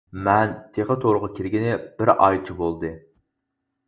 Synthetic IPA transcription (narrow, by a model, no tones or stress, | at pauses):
mɛnt̪ʰeχət̪ʰoɾʊʁɑkʲʰiɾɡʲinɪb̥ɪɾʔɑ̰jt͡ʃʰibolˠd̪ɨ